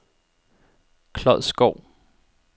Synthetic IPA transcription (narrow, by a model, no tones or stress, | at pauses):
kʰlɒðˠsɡ̥ɒʊ̰